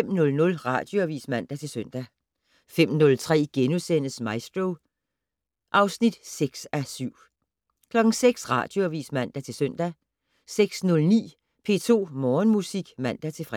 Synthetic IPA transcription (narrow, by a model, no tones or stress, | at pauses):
emnɔ̽lnɔ̽lʁɑ̈d̥jo̝æʋḭːsmæn̰d̥æt͡sʰe̝lsøn̰d̥æ | fem̰nɔ̽lt͡sʰʁɛ̰ːɡ̥enusen̰əsmɑ̈ɪsd̥ʁoʊ | ʔɑ̈ʊsnid̥seɡ̥sæsyʊ̰ | kʰlɒ̽ɡ̥ŋ̩seɡ̥sʁɑ̈d̥jo̝æʋḭːsmæn̰d̥æt͡sʰe̝lsøn̰d̥æ | seɡ̥snɔ̽lnḭː | pʰe̝̰ːt͡sʰo̝̰ːmɒːnmusiɡ̥mæn̰d̥æt͡sʰe̝fʁ